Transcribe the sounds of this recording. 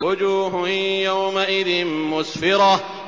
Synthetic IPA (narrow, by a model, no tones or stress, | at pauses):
ʊd͡ʒuːɦjawmaʔɪðɪnmʊsfɪɾɑ